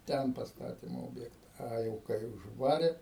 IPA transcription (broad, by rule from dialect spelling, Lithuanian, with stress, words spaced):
ˈtʲɛn pɐsˈtɑːtʲɪm ˈoːbʲjɛktɐ ˈɐ jɛʊ kɐɪ ʊʒˈʋɑːrʲeː